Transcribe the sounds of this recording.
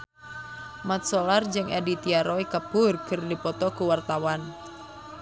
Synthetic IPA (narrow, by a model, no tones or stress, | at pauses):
mat̪̚sɔlard͡ʒɨŋadit̪iaɾɔikəb̥ʊrkərdipɔt̪ɔkuwart̪awan